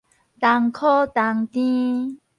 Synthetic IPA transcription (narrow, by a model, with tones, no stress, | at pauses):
t̪a˨ŋkʰɔ˦t̪a˨ŋt̪ĩ˦